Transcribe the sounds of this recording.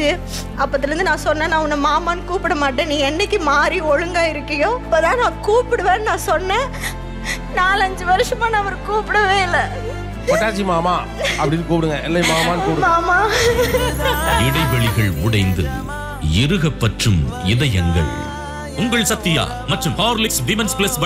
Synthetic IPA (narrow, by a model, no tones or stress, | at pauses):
ɯ | ɐpːɐt̪̬ːɪɾɯnd̪ɯnãːsɔnːẽːnãːʊnːɐmaːmaːnɯkuːpɪɽɐmaːʈːɐ̃nĩːɛnːɐkːimaːɾiɔɻɯŋɡaːɪɾɯkːɐjõːɐpːɐːt̪ãːnãːkuːpɪɽɯʋẽːnnãːsɔnːẽː | naːlɐɲd͡ʒɯʋɐɾɯʂɐmaːnaɐʋɐɾkuːpɪɽɐʋeːɪlːɐ | kɔʈːaːt͡ʃːimaːmaː | ɐpɐɽɪnːɯk̬uːpɪɽɯŋɡɐɛlːɐjmaːmaːnkuːpɽmaːmaː | ɪɽɐɪʋɐɭɪɣɐɭʊɽɐɪnd̪ɯ̰ | ɪɾɯɣɐpːɐʈrɯmɪðɐjɛŋɡɐ̰ɭ | ʊŋɡɐɭsɐt̪ːɪja̰ː | mɐʈrɯmpaːɾlɪksʋɪmɛnsplɐsbɐ